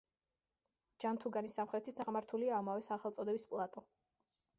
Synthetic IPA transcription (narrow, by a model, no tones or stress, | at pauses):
d͡ʒant̪ʰuɡanisːamχɾɛt̪ʰit̪ʰaʁmaɾt̪ʰuliaːmavɛsaχɛlˠt̪sʼɔd̪ɛbispʼlˠat̪ʼɔ